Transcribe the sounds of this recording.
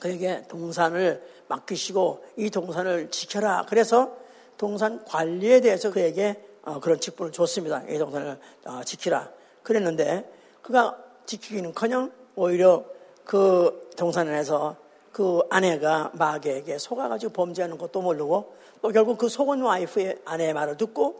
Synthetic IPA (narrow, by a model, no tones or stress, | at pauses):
kɯeɡe̞toŋs̬ʰanɯɭ | ma̰k͈iɕʰiɡoitoŋsʰanɯɭt͡ɕi̥kʰjʌɾa̰kɯɾe̞sʰʌ | toŋs̬ʰankwaʎːie̞de̞ɦesʰʌkɯe̞ɡe̞ʌkɯɾʌnt͡ɕʰik̚p͈unɯɭt͡ɕos͈ɯmɲidaʔḭtoŋsʰanɯɭ | ʌt͡ɕikʰiɾa̰ | kɯɾe̞nːɯnde̞ | kɯɡat͡ɕikʰiɡinɯnkʰʌɲʌŋoiɾjʌ | kɯtoŋsʰanane̞sʰʌ | kɯane̞ɡamaɡeɡe̞sʰoɡaɡad͡ʑiɡopʌmd͡ʑiɦanɯnɡʌt̚t͈omoɭːɯɡo | t͈okjʌɭɡuk̚kɯsʰoɡɯnwaipʰɯeane̞maɾɯɭtɯk̚k͈o